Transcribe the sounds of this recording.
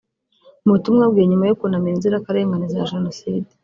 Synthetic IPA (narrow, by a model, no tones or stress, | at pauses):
mutumŋabɡieɲumajokunamenziɾakaɾe̞ːŋɡanizaʒeno̞siːde̥